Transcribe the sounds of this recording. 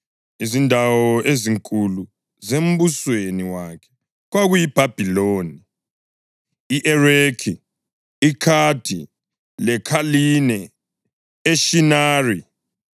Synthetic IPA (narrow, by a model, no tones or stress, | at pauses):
izindʱawɔʔeziŋkʼulu | zem̩busweniwakʰɛ̥ | ɣwaɣujib̥ʱab̥ʱiloːni | iʔɛrekʰi | ikʰad̥ʱi | lɛkʰalinɛ | eʃinaːri